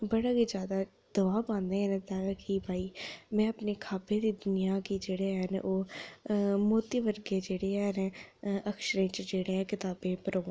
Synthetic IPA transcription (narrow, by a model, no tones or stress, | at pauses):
bəɽaːkiːd͡ʒjaːd̪aː | d̪̥əʋaːpãːnd̪eːɛnːt̪ãkibʱaːiːmɛ̃ːəpneːkʰaːbẽːd̪iːd̪ʊnɪjaːkiːd͡ʒeːɽeːɦɛnʔoː | moːt̪iʋəɾɡeːd͡ʒeːɽeːɦɛnəkʃəɾẽːt͡ʃd͡ʒeːɽeːɛ̃ːkɪt̪aːbẽːpəɾõː